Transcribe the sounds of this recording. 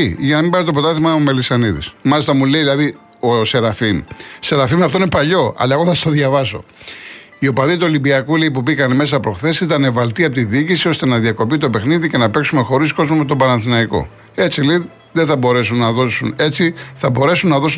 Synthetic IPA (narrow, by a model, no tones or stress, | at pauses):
ʝɐnɐmĩmbɐsit̪opo̞t̪ɐθimɐome̞lisɐniðḭsmɐlist̪ɐmuleiðilɐði | ose̞ɾɐfimse̞ɾɐfimɐft̪oinepɐʎo̞ɐ̰lɐeɣo̞θɐsɐ̥t̪oðʝɐvɐso̞̰ | io̞pɐðit̪uolibiɐkuleipubikɐneme̞s̬ɐpɾo̞xθe̞sit̪ɐne̞vɐlt̪iɐp̬ot̪iðiːcisio̞st̪e̞nɐðiɐko̞pit̪o̞pe̞xniðice̞nɐpe̞ksume̞xo̞ɾisko̞zmomet̪obɐnɐnθinɐiko̞̰ | e̞t͡sile | ðeθɐbo̞ɾe̞sunːɐðo̞sune̞t͡siθɐbo̞ɾe̞sunːɐðo̞s